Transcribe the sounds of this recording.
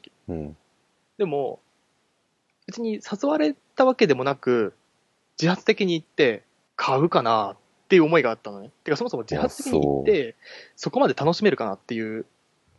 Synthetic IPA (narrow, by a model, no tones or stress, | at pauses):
d̪e̞mo̞ | ɯ̟t͡ɕiɲ̟isazɨβaɾe̞t̪aβake̞d̪e̞mo̞nakɯ̟ | d͡ʑihat͡sɨ̥t̪ekʲiɲ̟iːt̪ːe̞ | kʰaɯ̟kanat̪ːe̞jɯ̟omo̞iɡaːt̪ːanonet̪ːeɯkaso̞mosomod͡ʑihat͡sɨ̥t̪eiɲɲiit̪ːe̞so̞ko̞mad̪e̞t̪ano̞ɕime̞ɾɯ̟kana̰t̪ːe̞jɯ̟ː